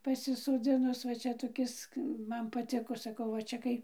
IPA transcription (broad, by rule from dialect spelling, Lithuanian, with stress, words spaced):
pɐsʲɪsoːˈd͡zʲɪnʊs ʋɐ ˈt͡ʃʲɛ toːˈkʲɪs ˈmɐn pɐˈtʲɪkoː sɐˈkɐʊ ʋɐ ˈt͡ʃʲɛ kɐɪ